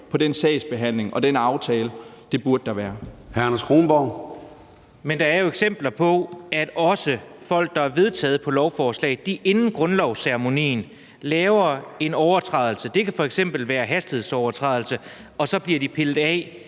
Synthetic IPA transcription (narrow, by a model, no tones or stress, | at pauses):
pʰɒ̽densɛɪsb̥e̝ɦæn̰le̝ŋɒ̽d̥enɑ̈ʊt͡sʰɛːləd̥e̝b̥uɐd̥̚d̥ɑ̈ʋæːɐhæɐnæsɡ̥ʁoːnb̥ɒʊ̰ | mend̥ɑ̈æɐjo̝eɡ̥sem̰b̥lɐpʰɒ̽æd̥ɒ̽sə | fɒ̽l̰ɡ̥̚d̥ɑ̈æɐʋe̝ð̞ˠt͡sʰɛ̰ːð̞̩ˠpʰɒ̽lɒʊfɒːslɛ̰ɪd̥iʔe̝nn̩ɡ̥ʁɔ̽nlɒʊseʁemo̝nḭːn | lɛːʊɐe̝nɒʊɐt͡sʰʁɑ̈ð̞ˠl̩səd̥e̝kʰæfɒ̽eɡ̥sem̰b̥l̩ʋæːɐɦæsd̥ihe̝ð̩ˠsɒʊɐt͡sʰʁɑðˠl̩sə | ɒ̽sɒ̽b̥liɐd̥ipʰelð̩ˠɛ̰